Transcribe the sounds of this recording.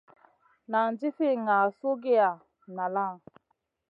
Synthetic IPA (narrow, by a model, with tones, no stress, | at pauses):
na˨nd͡ʒi˦fi˦ŋa˨so˦ɡe˦a˨ | na˨la˦˨